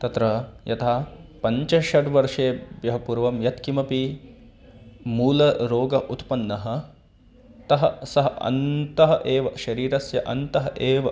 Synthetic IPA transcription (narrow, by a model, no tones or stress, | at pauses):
t̪ɐt̪ɾɐjɐt̪ʰaːpɐɲt͡ʃɐʃɐʈʋɐɾʂeːbjɐɦɐpuɾʋɐmjɐt̪kimɐpi | muːlɐɾoːɡɐʔut̪pɐnːɐɦɐ̆ | t̪ɐɦɐsɐɦɐɐ̰nt̪ɐɦɐʔeːʋɐʃɐɾiːɾɐsjɐʔɐnt̪ɐɦɐʔeːʋɐ